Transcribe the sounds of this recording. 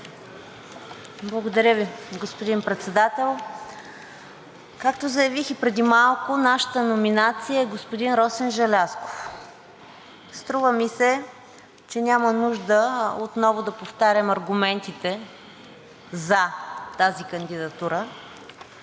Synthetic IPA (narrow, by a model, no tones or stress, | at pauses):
blˠəɡod̪ɐɾʲəviɡospod̪inpɾɛt̪sɛd̪at̪ɛlˠ | kakt̪ozɐjɐvixipɾɛd̪imalˠkʊnaʃə̥t̪ənominat̪sijəɛɡospʊd̪inɾɔsɛnʒɐlʲasko̥f | st̪ɾuvəmisɛ | t͡ʃɛnʲamənuʒd̪əot̪nɔvod̪ɐpoft̪aɾʲɐmɐɾɡumɛnt̪it̪ɛ | zɐt̪azikənd̪id̪ɐt̪uɾə